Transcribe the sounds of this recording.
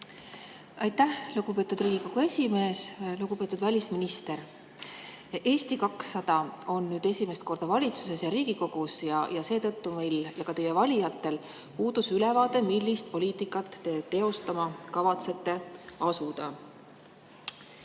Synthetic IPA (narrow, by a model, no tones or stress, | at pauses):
ɑjt̪ːæhluɡ̥upe̞ːt̪ːˑud̪riːɡ̥iko̞ɡ̥ue̞sʲime̞ːsluɡ̥upe̞t̪ːˑud̪vælʲisminist̪e̞ɾ | e̞ːst̪ikɑksːɑd̪̥ɑo̞nːyːd̪e̞sʲime̞st̪̚ko̞rd̪̥ɑvɑlʲit̪su̥se̞sjɑɾiːɡ̥iko̞ɡ̥usjɑjɑse̞ːt̪ɤ̞t̪ːume̞jljɑkɑt̪e̞je̞vɑlʲijɑt̪ːe̞l | puːd̪̥usylɛvɑːt̪e̞milːist̪̚po̞liːt̪ikːˑɑt̪ːe̞t̪e̞o̞st̪ɑmɑkɑvɑt̪se̞t̪ːe̞ɑsud̪̥ɑ